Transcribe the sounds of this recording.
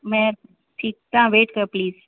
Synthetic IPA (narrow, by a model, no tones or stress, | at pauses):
mẽːɾ | ʈʰiːk̚t̪ãʋeːʈkɐɾpliːz